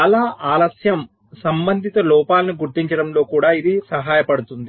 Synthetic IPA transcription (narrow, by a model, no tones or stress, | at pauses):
ɐlaːʔaːlɐsjɐm | sɐmbɐnd̪ʱit̪ɐlɔːpaːlɐniɡuɾt̪iɲt͡ʃɐɽɐmlo̞ːkuːɽaːid̪isɐɦaːjɐpɐɽut̪und̪i